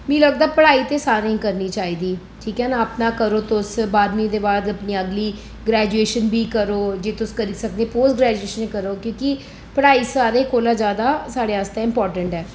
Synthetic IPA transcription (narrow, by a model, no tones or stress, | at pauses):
mĩːləɡd̪aːpəɽaːiːt̪eːsaːɾĩːkəɾniːt͡ʃaːiːd̪iː | ʈʰiːkɛːnaːəpnãːkəɾoːt̪ʊsbaːd̪mĩd̪eːbaːd̪əpniːəɡliː | ɡɾɛːd͡ʒueːʃənbiːkəɾoːd͡ʒeːt̪ʊskəɾiːsəkd̪ẽːpoːsɡɾɛːd͡ʒueːʃənekəɾoːkjõːkɪ | pəɽaːiːsaːɾeːkoːlaːd͡ʒjaːd̪aːsaːɽeːəst̪aːɪmpɔːɾʈəɳʈɛː